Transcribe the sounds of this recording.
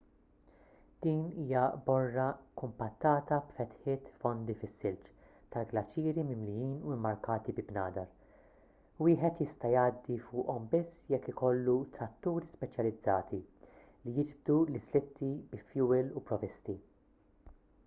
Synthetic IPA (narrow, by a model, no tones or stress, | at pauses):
d̪̥iːniːjɐbɔrːɐkʊmpɐt̪ːɐːt̪ɐbfɛt̪ħɪːt̪fɔnd̪ifɪsːɪlt͡ʃ | t̪ɐlɡlɐt͡ʃːiːɾimɪmlɪjiːnuɪmːɐɾkɐːt̪ibɪbnɐːd̪ɐɾ | wɪːħɛt̪jɪst̪ɐjɐːd̪ːifʊːʔɔmbɪsːjɛkːɪkɔlːut̪ɾɐt̪ːuːɾispɛt͡ʃjɐlɪd͡zːɐːt̪i | lijɪd͡ʒb̚d̪ulɪslɪt̪ːibɪfjuːlupɾɔvɪst̪i